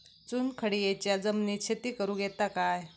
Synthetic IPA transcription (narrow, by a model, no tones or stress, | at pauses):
t͡suːnkʰəɽiːjet͡ɕjad͡zəmnit͡ɕʰet̪iːkəɾuːɡɛt̪akaj